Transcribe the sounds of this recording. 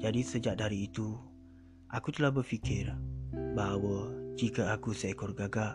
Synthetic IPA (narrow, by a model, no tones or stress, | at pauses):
d͡ʒadisəd͡ʒaʔ̚daɾiːt̪u | ʔakut̪əlahbərfikɪrbawəd͡ʒikaakusajkɔrɡaɡaʔ